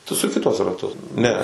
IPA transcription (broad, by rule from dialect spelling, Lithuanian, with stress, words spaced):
tʊ sʊˈkʲɪ tuɔs rɐˈtʊs ˈnʲɛ